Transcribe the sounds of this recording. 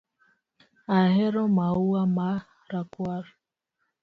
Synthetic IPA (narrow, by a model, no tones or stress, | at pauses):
aɦɛɾɔmauama | ɾakwaɾ